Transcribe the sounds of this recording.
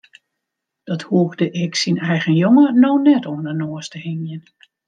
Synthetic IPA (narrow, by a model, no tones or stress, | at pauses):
d̥ɔthuəkdəʔɪksinɛjɣənjoŋənownɛtɔmdənoəstəhɪnjən